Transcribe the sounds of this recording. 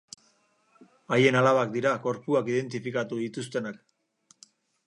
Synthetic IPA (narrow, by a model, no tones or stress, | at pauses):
aje̞nalaβakd̪iɾako̞ɾpuakiðe̞nt̪ifikat̪uðit̪us̬t̪e̞nak